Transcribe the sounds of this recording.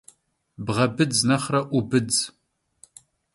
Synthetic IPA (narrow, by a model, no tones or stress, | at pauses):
bʁɐbɨd͡znɐχrɐʔʷʊbɨd͡z